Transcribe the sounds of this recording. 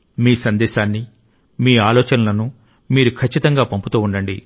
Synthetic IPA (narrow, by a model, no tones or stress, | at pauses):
miːsɐnd̪ɛːʃaːnːi | miːaːlɔːt͡ʃɐnɐlɐnu | miːɾukʰɐt͡ʃːit̪ɐŋɡaːpɐmput̪uːuɳɖɐɳɖḭ